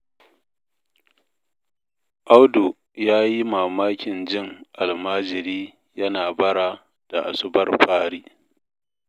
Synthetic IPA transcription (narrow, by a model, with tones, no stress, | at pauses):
ʔa˦wdu˨ | jaː˦ji˦maː˨maː˦kʲɪ˨nd͡ʒɪ˦ŋʔa˨lmaː˦d͡ʒɪ˨ɾiː˦ | jɐ˦naː˨bɐ˦ɽaː˨ | d̥a˨ʔa̰˨sʊ˦bɐ˦rɸaː˦ɽiː˦